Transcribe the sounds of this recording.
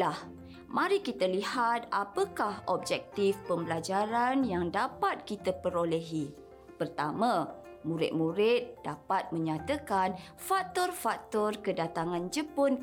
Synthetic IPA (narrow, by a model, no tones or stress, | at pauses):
lah | mãɾikit̪əlihat̪̚apəkahɔb̚d͡ʒɛk̚t̪ifpəmbəlad͡ʒaɾanjaŋdapat̪̚kit̪əpəɾolɛɦi | pərt̪amã | mũɾɪ̰t̪̚mũɾɪt̪̚d̥apat̪̚mə̃ɲat̪əkan | fak̚t̪ɔrfak̚t̪ɔrkədat̪aŋãnd͡ʒəpʊn